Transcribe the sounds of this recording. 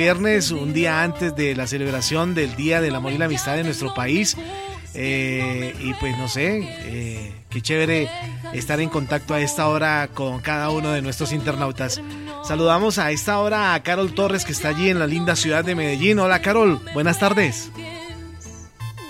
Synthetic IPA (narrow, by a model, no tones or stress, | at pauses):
je̞ɾne̞sund̪iaant̪e̞zd̪elase̞le̞β̞ɾasjo̞nd̪e̞ld̪iaðelamoβilamist̪aðenwe̞st̪ɾo̞pais | e | ipwe̞sno̞se̞ | e | ket͡ʃeβeɾeːst̪aɾe̞ŋko̞nt̪ak̚t̪o̞ae̞st̪ao̞ɾako̞ŋkaðauno̞ð̞e̞nwest̪ɾo̞s̬int̪e̞ɾnawt̪asː | aluðamo̞sae̞st̪ao̞ɾaːkaɾo̞lt̪o̞re̞skeːst̪aːʝie̞nlalind̪asjuðaðːe̞me̞ðe̞ʝino̞lakaɾo̞lbwe̞nast̪aɾðe̞s